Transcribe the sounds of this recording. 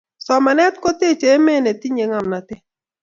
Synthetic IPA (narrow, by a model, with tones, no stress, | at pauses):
sɔ˨ma˨nɛ˦tko˦te˦˨t͡ʃe˨˦me˦˨ne˨ti˦ɲe˨˦ŋa˨mna˨tɪ˦